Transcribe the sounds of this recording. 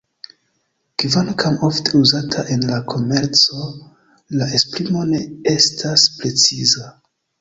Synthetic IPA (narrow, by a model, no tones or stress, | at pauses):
kivankʰamo̞ftʰeuzatʰaʔe̞nlakʰo̞me̞ɾt͡so̞ | laʔe̞spɾimo̞ne̞e̞stʰaspɾe̞t͡siza